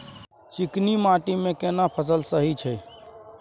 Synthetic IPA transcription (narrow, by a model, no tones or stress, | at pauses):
t͡ʃiknimaʈimẽkenapʰəsəlsəɦit͡ʃʰəj